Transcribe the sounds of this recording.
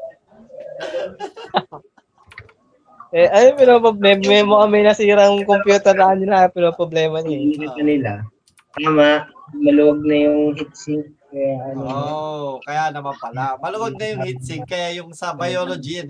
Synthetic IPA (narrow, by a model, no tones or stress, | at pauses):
ʔɛʔɐjopɪnopobɛmɛmoʔɐmɐjnɐsiːɾɐŋkompjuːt̪ɛɾlanɪlapɪnopɾoblɛːmɐɲɪɪnɪkɐkɐnɪla | t̪aːmaʔ | mɐlʊwɐɡ̚nɐjʊŋhit̪̚sɪk̚kɐjaʔɐno | kɐjanɐmampɐlamɐlʊwɐɡ̚nɐjʊŋhit̪̚sɪk̚kɐjajʊŋsɐbɐjoːlod͡ʒin